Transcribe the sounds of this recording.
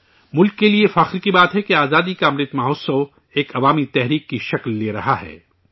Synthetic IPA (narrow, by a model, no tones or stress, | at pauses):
mʊlkːeliefaxɪɾkibaːt̪ɦɛkeaːzaːd̪ikamɾɪt̪maːɦoːso | eːkʰɐʋaːmit̪ɛɦɾiːkːiʃɐklːeːɾɐɦaɦɛ̰ː